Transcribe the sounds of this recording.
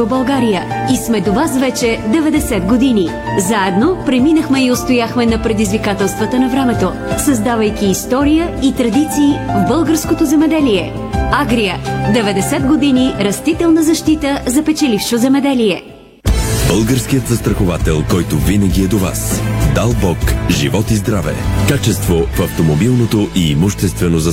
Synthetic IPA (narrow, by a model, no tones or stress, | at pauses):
obɐlˠɡaɾijəismɛd̪ovasvɛt͡ʃɛd̪ɛvɛd̪ɛsɛd̪ɡod̪ini | zaɛd̪nopɾɛminəxmɛiost̪ojaxmɛnɐpɾɛd̪izvikat̪ɛlˠst̪vɐt̪ənɐvɾɛmɛt̪o | sɐzd̪avəjkʲiːst̪ɔɾijəit̪ɾɐd̪it̪siːvbɤlˠɡəɾskot̪ozɛmɛd̪ɛliɛ | aɡɾijəd̪ɛvɛd̪ɛsɛd̪̚ɡod̪iniɾɐst̪it̪ɛlˠnəzɐʃt̪it̪əzɐpɛt͡ʃɛlifʃozɛmɛd̪ɛlijɛ | bəlˠɡəɾskijət̪zɐst̪ɾɐxovat̪ɛlˠkɔjt̪ovinəɡʲiɛd̪ova̰sd̪alˠbɔkʒḭvɔt̪izd̪ɾavɛ̰kat͡ʃɛst̪vofɐft̪omobilˠnot̪oʔimʊʃt̪ɛst̪vɛnozɐ